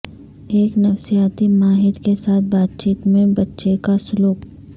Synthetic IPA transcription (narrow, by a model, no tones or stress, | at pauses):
eːknɐfsijaːt̪imaːɦɪɾkesaːt̪̚ʰbaːt̪̚t͡ʃiːt̪mẽbɐtːʃekasʊluːp